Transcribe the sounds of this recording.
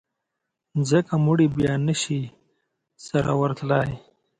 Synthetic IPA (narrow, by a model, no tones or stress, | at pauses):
zəkamuɽibjɑːnəʃi | saɾa̰wəɾt̪laːj